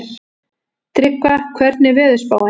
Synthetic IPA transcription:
t̪ɾɪkvakʰvɛɾt̪nɪvɛːðʏspa̰ːwa

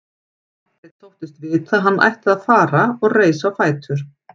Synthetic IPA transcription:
ɛt̪ʰowht̪ɪst̪vɪt̪aðɦanːʔa̰jht̪ɪðaðfaːɾaɔɣreːjsafaːjt̪ʏɾ̥

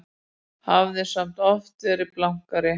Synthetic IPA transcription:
havðɪ̥sam̥t̪ɔft̪ɛɾɪplawŋ̥kaɾɪ

